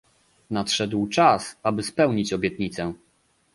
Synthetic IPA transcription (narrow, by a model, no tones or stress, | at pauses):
nat̪ʂɛd̪wt͡ʂasabɘspɛwɲit͡ɕɔbʲjɛt̪ɲit̪sɛ